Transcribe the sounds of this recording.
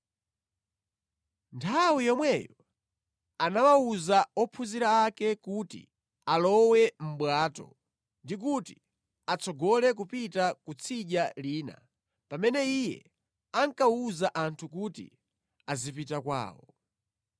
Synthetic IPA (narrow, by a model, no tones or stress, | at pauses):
ntʰawijɔmwɛjɔ | anawauzaɔpʰuziɾaːkɛkutḭ | alɔwɛm̩ɓwaːtɔ̰ | ndik̬uti | at͡sɔɡɔlɛk̬upitakut͡sʰiʄaliːna̰ | pamɛnɛijɛ̰ | aŋkauzaʔantʰukutḭ | azipitakwa̰ːwɔ